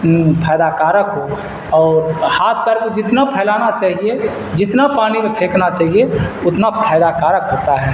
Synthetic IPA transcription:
pʰɛjd̪akaːɾəkɦo | ɔːɾhaːt̪ʰpɛɾkod͡ʒɪt̪napʰɛːlaːnat͡ʃaːɦie | d͡ʒɪt̪napaːnimepʰeːknat͡ʃaːɦieʊt̪napʰɛjd̪akaːɾəkɦot̪aɦɛː

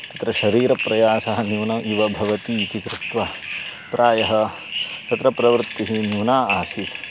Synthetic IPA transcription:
t̪ɐt̪ɾɐʃɐɾiːɾɐpɾɐjaːsaːɐnjuːnɐmʔiʋɐbʱɐʋɐt̪it̪ikɾɪt̪ʋɐpɾʔaːjɐɦɐ̆ | t̪ɐt̪ɾɐpɾɐʋɾt̪ːiɦinjuːnaːaːsit̪

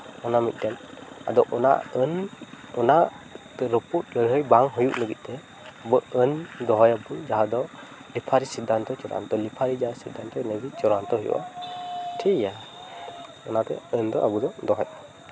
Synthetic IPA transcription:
ɔnamit̪̚dɛna̰d̪ɔʔʔɔna̰ənɔna | ɾəput̚ləjɦɯjbaŋɦɔjuʔnɯɡit̪̚ˀtɛ | bɯɯndɔɦɔjabud͡ʒaɦad̪ɔ | lipʰaɾisid̪ant̪ʰɔt͡ʃɔɾa̰nt̪ɔlipʰaɾid͡ʒasid̪antʰɔnajɡit͡ʃɔɾant̪ɔɦujṵʔa̰ | tʰija | ɔnat̪ɛ̰ɯnd̪ɔʔabud̪ɔd̪ɔɦɔj

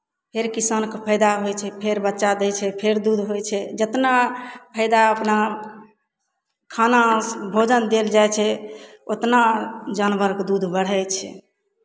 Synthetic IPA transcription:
pʰeɾkisankepʰəjd̪aɦojt͡ʃʰɛpʰeɾbətːʃad̪ɛt͡ʃʰɛpʰeɾd̪ud̪ʱɦojt͡ʃʰɛd͡ʒət̪napʰəɪd̪aəpna | kʰanasbʱod͡ʒənd̪eld͡ʒajt͡ʃʰɛ | ot̪nad͡ʒanbəɾkd̪ud̪ʱbəɽ̤ɛt͡ʃʰɛ̰

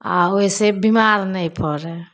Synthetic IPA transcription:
a̰oɦisebimaɾnəjpʰɔɾɛ

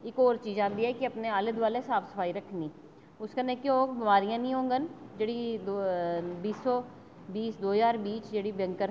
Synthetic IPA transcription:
eːkɔːɾt͡ʃiːzãːnd̪iɦɛkiɐpneaːlɪd̪ʋaːlesaːfsɐ̥fʰaːiɾɐkʰniː | ʊskɐnẽkeɦoːɡbɪmaːɾijãnĩɦõːŋɡənd͡ʒɐɽid̪obiːsɔ | biːsd̪oːɦzaːɾbiːt͡ʃd͡ʒɐɽibjɐ̃ŋkəɾ

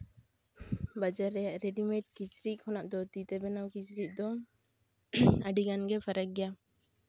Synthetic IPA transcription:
bad͡ʒaɾːɛjaʔɾɛɖimeʈ̚kit͡ʃɾiʔ̚kʰɔnaʔd̪ɔt̪it̪ɛbɛnawkit͡ʃɾiʔ̚d̪ɔ | əɖiɡanɡɛpʰaɾak̚ɡɛja

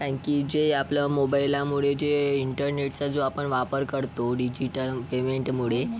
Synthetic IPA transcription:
tãkid͡ʑeaplamobailamuɭed͡ʑeiɳʈəɾneʈt͡sad͡zoapəɳʋapəɾkəɾt̪oɖid͡ʑiʈəlpemeɳʈmuɭe

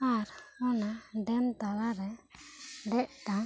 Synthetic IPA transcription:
aɾɔnaɖɛmt̪alaɾɛ | ɖɛʔʈa

